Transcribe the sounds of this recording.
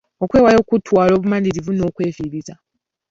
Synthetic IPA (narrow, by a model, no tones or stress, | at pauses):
o̞kwe̞ːwajo̞ːkutwaːlo̞ːβumaliɾivuno̞ːkwe̞ːviɾiza